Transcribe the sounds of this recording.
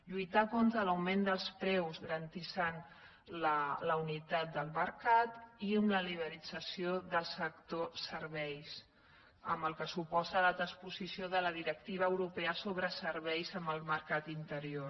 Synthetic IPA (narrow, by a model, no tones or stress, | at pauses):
ʎujt̪akont̪ɾələwmend̪əlˠspɾɛwzɣəɾənt̪isan | lələunit̪at̪̚d̪əlˠməɾkat̪iəmləliβ̞əɾid͡zəsioðəlˠsək̚t̪osəɾβɛjs | ə̰mbəlˠkəsupɔzələt̪ɾəspuzisioðələðiɾək̚t̪iβ̞əːwɾupɛəsoβɾəsəɾβɛjzəmbəlˠməɾkat̪int̪əɾio